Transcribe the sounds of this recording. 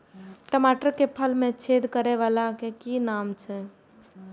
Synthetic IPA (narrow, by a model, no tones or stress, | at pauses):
ʈəmaʈəɾkepʰəlmẽt͡ʃʰed̪kəɾɛʋalakekinamt͡ʃʰɛ